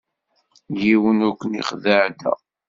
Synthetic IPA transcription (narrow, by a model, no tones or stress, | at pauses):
jiwənukʷːənḭχðəʕd̪æ̰